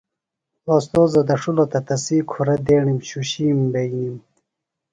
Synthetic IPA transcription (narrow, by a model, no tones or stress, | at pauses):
ost̪oːzod̪ɐʂulot̪ɐt̪ɐsiːkʰuɾɐd̪eːɳimɕuɕiːmbejnim